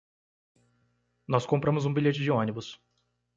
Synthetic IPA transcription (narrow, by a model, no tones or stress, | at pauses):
nɔskõmpɾɐ̃mʊzũbilʎet͡ʃɪd͡ʒɪõnibʊs